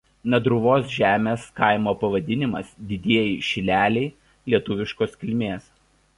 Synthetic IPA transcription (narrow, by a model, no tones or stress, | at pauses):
nɐd̪ɾʊʋoːsʒʲæːmʲeːskɐˑɪmoːpɐʋɐd̪ʲɪnʲɪmɐsd̪ʲɪd̪ʲiɛjɪʃʲɪlʲæːlʲɛɪ | lʲiɛt̪ʊʋʲɪʃkoːskʲɪlʲmʲeːs